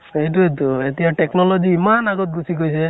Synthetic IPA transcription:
ejt̬uet̪̬uet̪ijaʈeknɔlɔd͡ʒiːmanaɡɔt̪̚ɡusikojsʰe

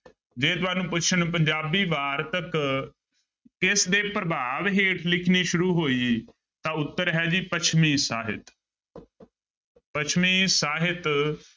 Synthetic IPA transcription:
d͡ʒeːt̪ʊaːnũːpʊt͡ʃʰənp̬əɲd͡ʒaːbiːʋaːɾt̪ək | kɪsd̪eːpɾəbaːʋɦeːʈʰlɪkʰniːʃʊɾuːɦoːiː | t̪ãːʊt̪ːəɾɦɛːd͡ʒiːpət͡ʃʰmiːsaːɦɪ̰t̪ | pət͡ʃʰmĩːsaːɦɪt̪

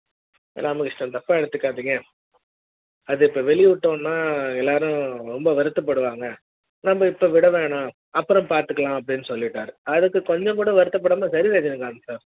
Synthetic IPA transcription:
ɛ̰lːaːmɐkɪʂʈːɐ̃t̪ɐpːaːɛɽɯt̪ːɯkːaːt̪iːŋɡɐ | ɐðɯɪpːoːʋɛɭɪʋɪʈːõːnːaːɛlːaːɾʊ̃ɾɔmbɐʋɐɾɯt̪ːɐp̬ːɐɽɯʋaːŋɡɐ | nɐmbɐɪpːoːʋɪɽɐʋeːɳãː | ɐpːɯɾɔ̃mpaːɾt̪ɯkːɐɭãːɐpːɐɽɪnːɯsɔlːɪʈːaːɾɯɐðɯkːɯkɔɲd͡ʒɐ̃ŋkuːɽɐʋɐɾɯt̪ːɐp̬ːɐɽɐmːaːsɐɾɪʋeːd͡ʒɐnɯkːaːŋɡɐsaːɾ

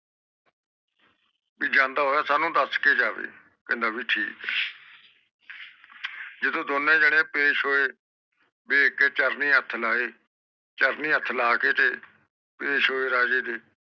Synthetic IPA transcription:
biːd͡ʒãːnd̪aːɦoːjaːsaːnũːd̪əskeːd͡ʒaːʋḛː | kɛ̃ːnd̪aːbiːʈʰiːkː | d͡ʒɪd̪õːd̪onẽːd͡ʒəɽ̃ẽːpeːʃɦoːeː | beːkeːt͡ʃəɾniːət̪ʰːlaːeː | t͡ʃəɾnĩːət̪ʰːlaːkeːt͡ʃeː | peːʃɦoːeːɾaːd͡ʒeːd̪eː

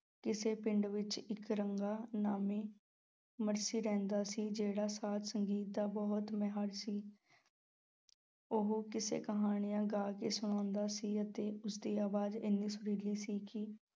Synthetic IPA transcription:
kɪseːpɪɳɖʋɪt͡ʃɪkɾəŋɡaːnaːmeː | məɾsiːɾɛ̃ːnd̪aːsiːd͡ʒeːɽaːsaːt̪səŋɡiːt̪̚d̪aːbɔːt̪mɛɦaɾsiː | oɦkɪsḛːkəɦaːɽ̃ɪjãːɡaːkeːsʊɽ̃ãːnd̪aːsiːət̪eːʊsd̪iːaːʋaːd̪ɪnːĩːsʊɽiːliːsiːkɪ

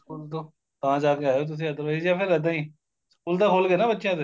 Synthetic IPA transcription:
skuːlt̪oː | t̪ɐãːd͡ʒaːkeaːjoːt̪ʊs̬eəd̪əɾʋaijaːpʰɪɾəd̪ãĩː | skuːlt̪akʰoːlɡenaːbətːʃjãːt̪o

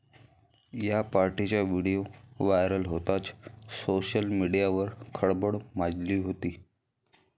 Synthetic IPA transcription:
japaɾʈit͡ɕjaʋiɽijoʋajɾəlɦot̪at͡ssoɕəlmiɽijaʋəɾkʰəɽbəɽmad͡ʑliːɦot̪iː

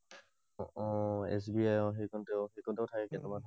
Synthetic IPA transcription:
ɔ̃ɛ̰s̬biajɔxejkʰɔntɛʊxejkʰɔntɛʊtʰakɛkɛnɛmanʰ

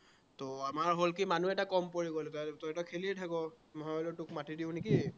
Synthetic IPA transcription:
toamaɹɦolkimanuɛtakɔmpoɹiɡolɛtatɔɛtɔkʰeliɛtʰakɔ | mɔɦaɔlotʊkmatidiʊ̃neki

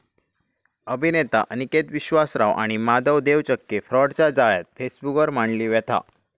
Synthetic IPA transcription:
əbʱinet̪a̰ʔniket̪ʋiɕʋasɾaʋʔa̰ɽ̃imad̪əʋd̪eʋt͡ɕəkːefɾɔɽt͡ɕjad͡zaɭja̰t̪̚fesbukəɾmaɳliːʋɛt̪ʰa̰

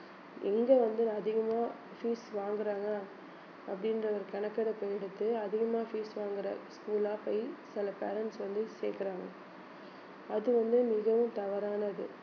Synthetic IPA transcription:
ɪŋɡeːʋɐnd̪ɯɐðɪɣɐmaː | fiːsʋaːŋɡɪɾaːŋɡɐː | ɐpːɐɽɪnrɐʋɐɾkɐɳɐkːɐɽɐpːoːjɛɽɯt̪ːɯɐðɪɣɐmaːfiːsʋaːŋɡɪɾɐ̰skuːlaːpɐjsɪlɐpḛːɾɐnʈsʋɐnd̪ɯsḛːkɪɾaːŋɡɐ | ɐðɯʋɐnd̪ɯmɪɣɐʋɯmt̪ɐʋɐɾaːnɐɐðɯ̰

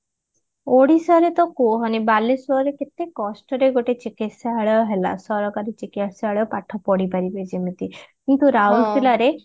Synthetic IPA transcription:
oɽisɔɾet̪ɔkuɦɔnibalesuɔɾeket̪ekːɔsʈɔɾeɡoʈet͡ʃikit̪saaɭɔɦela̰sɔɾɔkaɾit͡ʃikiaʈsaɭewpaʈʰɔpɔɽipaɾibed͡ʒemit̪ikint̪uɾawɳɖpʰilaɾe

